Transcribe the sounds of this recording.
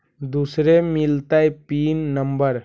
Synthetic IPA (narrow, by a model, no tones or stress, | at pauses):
d̪usɾemilt̪ajpiːnːəmbəɾ